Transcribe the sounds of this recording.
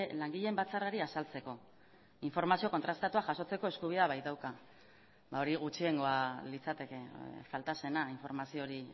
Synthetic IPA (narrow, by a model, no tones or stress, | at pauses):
laŋɡiʎe̞mbat͡saraɾiasalt͡se̞ko̞ | iɱfo̞ɾmasio̞ko̞nt̪ɾast̪at̪uaʝaso̞t͡se̞ko̞e̞skuβ̞iðaβajt̪awka | bao̞ɾiɣ̞ut͡ʃie̞ŋɡo̞alit͡sat̪e̞ke̞falt̪ase̞naiɱfo̞ɾmasio̞ɾi